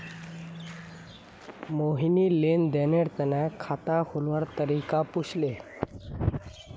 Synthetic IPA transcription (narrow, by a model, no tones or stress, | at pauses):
moɦinilend̪eneɽt̪ənakʰat̪aholʋaɾt̪əɾikapuɕle